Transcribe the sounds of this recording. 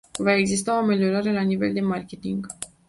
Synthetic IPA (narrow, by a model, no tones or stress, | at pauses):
vae̞ɡzist̪ao̞ame̞lio̞ɾaɾe̞lanive̞ld̪e̞markʲe̞t̪iŋɡ